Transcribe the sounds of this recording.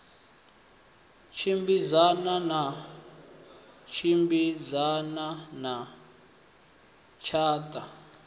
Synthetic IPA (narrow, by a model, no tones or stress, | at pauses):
t͡ʃʰimbizanana | t͡ʃʰimbizanana | t͡ʃʰaːtʼa